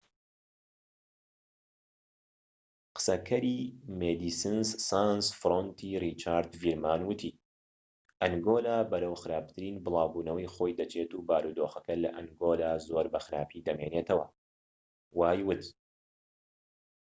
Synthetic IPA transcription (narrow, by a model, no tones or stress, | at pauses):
qɨ̥sɐkʰɐɾiːmed̪iːsɨnsːansfɾont̪ʰirit͡ʃaːɾd̪viːɾmaːnwɨt̪ʰiː | ʔɐŋɡoːlaːbɐɾɐwxɨɾaːp̚t̪ʰɨɾiːnbɨlˠaːwbuːnɐwɐjxojd̪ɐt͡ʃʰet̪uːbaːɾuːd̪oːxɐkɐlɐʔɐŋɡoːlaːzoːɾbɐxɨɾaːpʰid̪ɐmeːnet̪ʰɐwɐ̰ | waːjwɨt̪